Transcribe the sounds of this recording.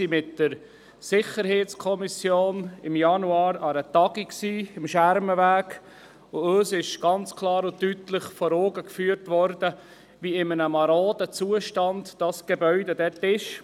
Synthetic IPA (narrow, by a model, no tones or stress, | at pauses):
simɪtd̥əɾ | sɪχəɾɦeːt͡skʰɔmisjoːnɪmjɑnuɑːɾɑɾət̪ɑɡiksiːɪmʃæɾməvæːɡ | ʊøːsɪʃɡ̥ɑnt͡skʰlɑːɾʊtytləχfɔɾoːɡəkfyːəɾtʋɔɾdə | ʋiɪmənəmɑɾoːdət͡suəʃtɑndd̥ɑsɡ̥ebœʏdəd̥ɛtɪʃ